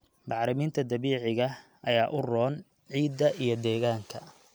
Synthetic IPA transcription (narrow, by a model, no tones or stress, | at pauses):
mɑħɾɪmiːnt̪ʰɐd̪ɐβiːʕɪɣɐ | ʔɐjaːʔʊrɔːn | ʕiːd̪ːɐʔijɞd̪ɛːɣaːŋkʰɐ